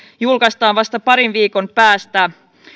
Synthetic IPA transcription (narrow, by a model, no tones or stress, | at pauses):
julkɑst̪ɑːnʋɑst̪ɑpɑɾinʋiːko̞mpæːst̪æ